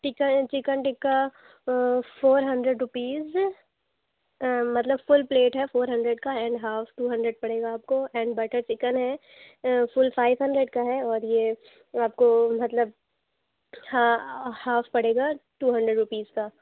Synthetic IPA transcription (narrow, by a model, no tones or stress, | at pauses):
t͡ʃɪkət͡ʃɪkənʈɪkːa | foːɾɦɐ̃ɳɖɾeɖɾʊpiːz | mɐt̪ləbfʊlpleːʈɦɛfoːɾɦɐ̃ɳɖɾeɖkaɛ̃ːɳɖɦaːfʈuːɦɐ̃ɳɖɾəɖ̚pɐɽeːɡaːp̚koɛ̃ːɳɖbɐʈəɾt͡ʃɪkənɦɛ | fʊlfaːɪʋɦɐ̃ɳɖɾeɖkaɦɛɔːɾje | aːp̚komɐt̪ləb̚ | hahaːfpɐɽeːɡaʈuːɦɐ̃ɳɖɾəɖɾʊpiːzkaː